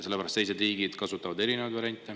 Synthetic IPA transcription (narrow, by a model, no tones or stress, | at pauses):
se̞lːæɾɑst̪e̞js̬e̞d̪riːɡid̪̥kɑsut̪ːˑɑvɑd̪e̞ɾinevɑd̪vɑɾjɑnʲt̪ːˑe